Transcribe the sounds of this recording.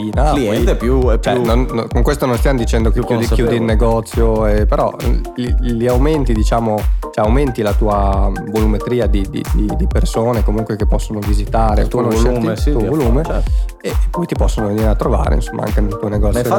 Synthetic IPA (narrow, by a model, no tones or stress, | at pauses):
inaliɛnt̪ɛpːjuɛt͡ʃɛnonːkoŋkwest̪ononst̪jamod̪it͡ʃɛnd̪okkujud̪ilnːeɡɔt̪sːjoepeɾɔ̰liliawment̪id̪it͡ʃaːmot͡ʃɛawment̪ilat̪uːavolumet̪ɾiːad̪id̪ḭd̪id̪ipersoːnekomuŋkwekepːɔsːonovizit̪aːɾet̪unoɛuovoluːmeɛ | epːɔjt̪ipɔsːonoveniːɾeat̪ːɾova̰ːɾḛḭnsomːa̰a̰ŋkenelt̪uoneɡɔt̪sːfa